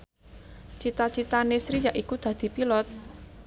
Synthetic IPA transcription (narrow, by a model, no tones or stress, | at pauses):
t͡ʃit̪at͡ʃit̪anesɾijaʔikud̪̥ä̤d̪̥i̤pilɔt̪̚